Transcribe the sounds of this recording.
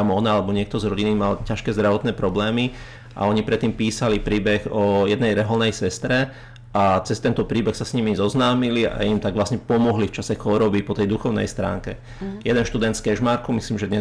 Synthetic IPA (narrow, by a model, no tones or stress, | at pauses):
amɔnalɛbɔɲɪɛk̚t̪ɔzɾɔɟinimalcaʃkɛːzd̪ɾaʋɔt̪nɛːpɾɔblɛːmi | ʔa̰ɔɲipɾɛt̪ːiːmpiːsalipɾiːbɛɣɔjɛd̪nɛjɾɛɦɔlnɛjsɛst̪ɾɛ | at͡sɛst̪ɛnt̪ɔpɾiːbɛxsasɲimizɔznaːmilia̰imt̪aɡʋlasɲɛpɔmɔɦlift͡ʃasɛxɔɾɔbipɔt̪ɛjd̪uxɔʊnɛ̰jst̪ɾa̰ːŋkɛ̰ | jɛd̪ɛnʃt̪ud̪ɛnt̪skɛʒmaɾkumisliːmʒɛd̪ɲɛ